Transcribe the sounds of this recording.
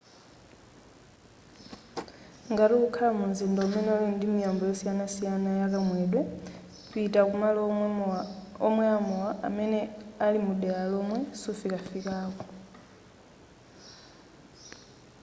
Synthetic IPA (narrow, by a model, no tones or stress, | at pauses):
ŋɡaɾukukʰalamunzindɔmɛnɛɔlindimijambɔjɔsianasijanajakamwɛːɗwɛ | kitakumalɔ | ɔmwɛamuwaʔa̰mɛnɛalimuɗɛjalomwɛsufikafikaːkɔ